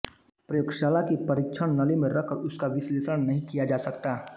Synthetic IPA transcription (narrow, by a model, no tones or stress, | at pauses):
pɾɐjoːɡʃaːlakipɐɾɪkt͡ʃʰəɽ̃nɐlimẽɾɐkʰɔɾʊskaʋɪsleːsəɽ̃nɐɦĩkijad͡ʒaːsɐkt̪aː